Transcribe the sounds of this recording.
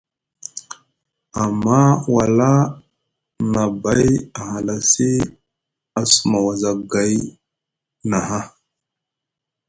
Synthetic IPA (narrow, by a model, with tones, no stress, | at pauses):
a˨mːa˦wa˨la˦ | na˨ba˦ja˨ha˨la˦si˦ | a˨su˨ma˨wa˨za˨ɡa˨j | na˨ɦa˦